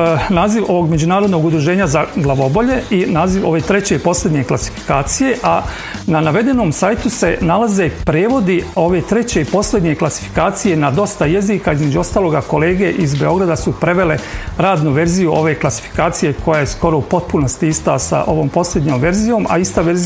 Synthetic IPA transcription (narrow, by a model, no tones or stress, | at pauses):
naːziʋo̞ʋo̞ɡme̞d͡ʑunaːɾo̞d̪no̞ɡud̪ɾuʒe̞ːɲazaɡlˠaʋo̞bo̞ʎe̞inaːziʋo̞ʋet̪ɾe̞t͡ɕe̞ipo̞sle̞d̪ɲe̞klˠasi̥fi̥kaːt̪sije̞ʔa | nanaʋe̞d̪e̞no̞ːmsaːjt̪use̞nalˠaze̞pɾeːʋo̞d̪io̞ʋe̞t̪ɾe̞t͡ɕe̞ipo̞sle̞d̪ɲe̞klasi̥fi̥kaːt̪sije̞nad̪o̞st̪ajeziːkaizme̞d͡ʒuo̞st̪aːlˠo̞ɡako̞le̞ːɡe̞ʔizbe̞o̞ɡɾad̪asupɾe̞ʋe̞le̞ɾaːd̪nuʋe̞ɾzijuʔo̞ʋe̞klˠasi̥fi̥kaːt̪sije̞ko̞jajesko̞ɾoupo̞t̪̚puno̞st̪iist̪asa̰ʔo̞ʋo̞ːmpo̞slʲed̪ɲoːmʋe̞ɾzijo̞ːmʔa̰ist̪aʋeɾz